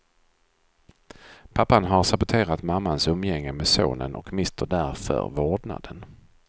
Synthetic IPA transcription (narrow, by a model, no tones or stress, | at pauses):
pʰapːanɦaɾsabʊt̪ʰeːɾat̪mamːansɵmːjɛŋːəmɛso̰ːnə̰nʔɔ̰kmɪst̪ʰəɖæɾfœ̰ɾvoːɖna̰d̪̥ən